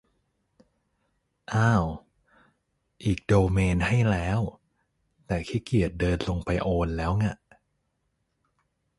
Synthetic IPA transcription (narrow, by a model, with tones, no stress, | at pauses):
ʔaː˧˥˩w | ʔiː˨˩k̚doː˧meː˧nha˥˩jlɛː˦˥w | t̪ɛː˨˩kʰiː˦˥˩ki˨˩ət̪̚dɤː˧nlo˧ŋpa˧jʔoː˧nlɛː˦˥wŋa˧˩ʔ